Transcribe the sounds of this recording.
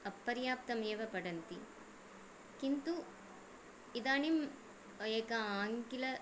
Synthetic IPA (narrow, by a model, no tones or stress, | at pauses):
ɐpːɐɾjaːp̚t̪ɐmeːʋɐpɐɽɐnt̪i | kint̪u | id̪aːnim | eːkɐaːŋkilɐ